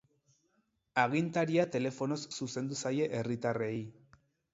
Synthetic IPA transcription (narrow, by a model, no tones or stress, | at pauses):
aɣ̞int̪aɾiat̪e̞le̞fo̞no̞sːuse̞nd̪usaje̞ʔerit̪are̞j